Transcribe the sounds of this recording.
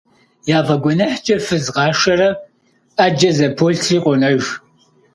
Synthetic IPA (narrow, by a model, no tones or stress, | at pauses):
jaːvɐɡʷɔnɐħt͡ʃʼɐfɨzʁɑːʂɐrɐ | ad͡ʒɐzɐpʰoɬʰɬiːqʷʼɔnɐʒ